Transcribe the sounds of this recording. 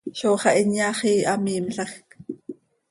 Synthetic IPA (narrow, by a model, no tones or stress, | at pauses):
ʃoːχɑʔinjɑχiːʔɑmiːmɬɑxk